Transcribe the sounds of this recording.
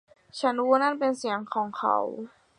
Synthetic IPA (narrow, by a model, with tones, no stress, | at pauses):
t͡ɕʰa˦˥nwuː˧˥na˥˨npe˧nsi˨˩˦əŋkʰɔː˩˦ŋkʰa̰˦˩w